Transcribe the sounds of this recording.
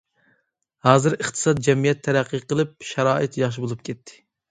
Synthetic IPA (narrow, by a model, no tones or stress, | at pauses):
hɑːzɨɾəχt̪ʰɨ̥sɑt̪̚d͡ʒɛmijɛt̪ʰːæɾæqːiqəlˠɨp̚ʃɛɾɑːʔɨt̪jɑχʃ̬ibolˠup̚kʲʰɛt̪ʰːɪ̥